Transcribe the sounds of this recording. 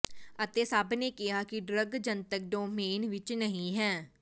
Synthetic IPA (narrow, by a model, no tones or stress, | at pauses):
ət̪eːsəbneːkɪɦaːkɪɖɾəɡd͡ʒənt̪ək̚ɖoːmeːnʋɪt͡ʃnəɦĩːɦɛ̃ː